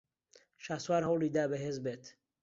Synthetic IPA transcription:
ʃaswaɾhɔwlid̪aːbɛɦezbeːt̪ʰ

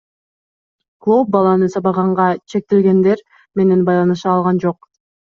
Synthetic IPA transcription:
klˠop̚bɑlˠɑnɯsɑβɑʁɑɴʁɑt͡ʃʰe̞k̚t̪elɡe̞nd̪e̞ɾ | me̞ne̞nbɑjlˠɑnɯʃɑːlˠʁɑnd͡ʒoq̚

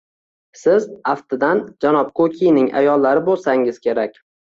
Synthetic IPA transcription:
sɪzaft̪ɪd̪and͡ʒanɒp̚kʰokʲʰijnɪŋʔa̰jɒlˠːaɾɪbolˠsaŋɪz̥kʲʰe̞ɾakʲ

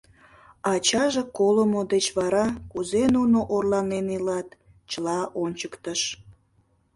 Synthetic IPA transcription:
ɑt͡ɕɑʒekolomod̪et͡ɕβɑɾɑkuzenunoʔorlɑnenilɑt̪ | t͡ɕəlɑʔonʲt͡ɕəkt̪əʃ

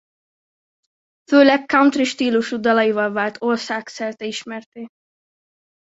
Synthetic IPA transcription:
føːlɛkːawnt̪riʃt̪iːluʃud̪ɒlɒivɒlvaːlt̪ʰo̞rsaːksɛrt̪ɛiʃmɛrt̪eː

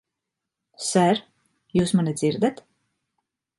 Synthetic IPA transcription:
sæɾ | juːsmanid̪ziɾd̪at̪

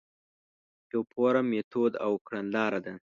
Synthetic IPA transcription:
jopʰoɾamet̪ʰod̪a̰wkɽanlɑːɾad̪a

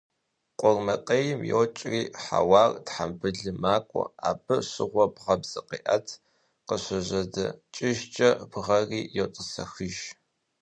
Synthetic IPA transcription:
qʷʼʊrmɐtʼɐjɪmjoːt͡ʃʼriːħa̰wɑːrtħambɨɮɨmaːkʷʼɔ̰aːbɨɕɪ̰ʁʷɔbʁɐbz̥ɨqḭːʔɐtʰ | qəɕʷɐʑɐdɐt͡ʃʼɪʒt͡ʃʼɐpʰɨʁɐriːjɛwtʼəsɐ̰xɨʒ

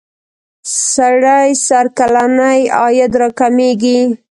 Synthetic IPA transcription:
saɽajsaɾkalanajɑjad̪ɾɑkameɡi

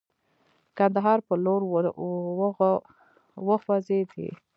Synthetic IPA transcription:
kand̪aɦɑɾpəloɾw | wəxwazed̪ḭ

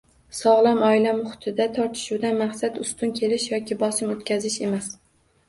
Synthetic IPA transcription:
sɒʁlˠamɒɪlamʊχʊ̥t̪ʰɪd̪at̪ʰɒɾt̪ʰɪ̥ʃuwd̪anmaχsat̪ʊst̪ʊnkʲʰe̞lɪʃjɒkʲɪbɒsɪmot̪kʲʰazɪʃe̞mas

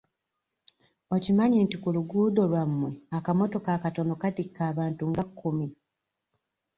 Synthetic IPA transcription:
o̞cimaɲiːntikuluɡuːdo̞lwamːwe̞akamo̞to̞kakato̞no̞katikːaːβaːntuŋɡakʰːumi

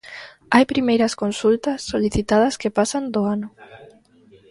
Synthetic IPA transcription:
ajpɾimejɾɐskonsult̪ɐsːoliθit̪að̞ɐskepasand̪oanʊ

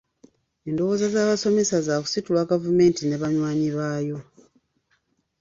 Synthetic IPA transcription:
e̞ːndo̞wo̞ːzazaːβaso̞me̞sazaku̥situlwaɡavume̞ːntine̞βaɲwaːɲiβaːjo̞

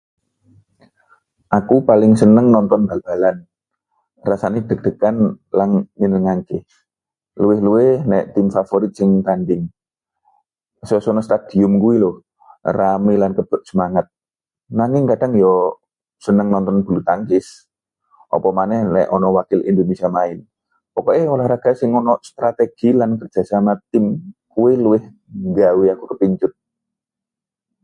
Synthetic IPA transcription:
ʔakupalɪŋsənəŋnɔnt̪ɔnb̥a̤b̥a̤lan | rasaned̥ə̤k̚d̥əkan | laŋninəŋaŋkɪh | luwɪhluwɪhnɛʔt̪ɪmfafoɾit̪̚sɪŋt̪anɖɪŋ | sɔsɔnɔst̪ad̪̥i̤ʊmkuwilʊh | ramilankəb̥ʊ̤t̪̚səmaŋət̪̚ | naŋɪŋkad̥a̤ŋjɔ | sənəŋnɔnt̪ɔnb̥ṳlut̪aŋkɪs | ʔɔ̰pɔmanɛhlɛʔɔnɔwakɪlʔḭnd̪onesiamaɪn | pɔkɔeolahɾaɡ̥a̤sɪŋɔnɔʔst̪ɾat̪eɡ̥ilankərd͡ʒ̥asamat̪ɪmkuwɪluwɪh | ŋɡawiakukəpiɲt͡ʃʊt̪̚

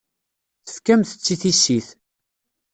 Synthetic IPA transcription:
θə̥fkæmθə̥t͡sːiθisːiθ

